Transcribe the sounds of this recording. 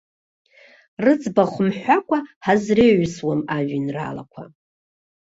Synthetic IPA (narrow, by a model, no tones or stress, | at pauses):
rɨd͡zbaχʷʊmħʷakʷʼahazreɥswamaʒʷinra̰la̰kʷʰa̰